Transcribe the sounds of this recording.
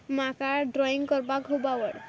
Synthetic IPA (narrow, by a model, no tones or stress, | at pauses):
makaɖɾɔiŋkɔɾbakɦobawəɽ